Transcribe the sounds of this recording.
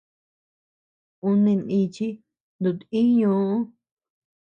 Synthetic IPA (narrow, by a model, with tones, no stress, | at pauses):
u˧nẽ˧nĩ˧t͡ʃi˦ | nd̪u˨t̪ĩ˦ɲũː˧˦ʔũ˦